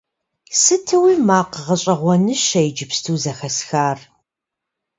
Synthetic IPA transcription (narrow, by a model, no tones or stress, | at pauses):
sɨtʰɐwiːmaːqəʁɐɕʼɐʁʷɔnɨʃɐjd͡ʒɪpstʰuːzɐxɐsxaːr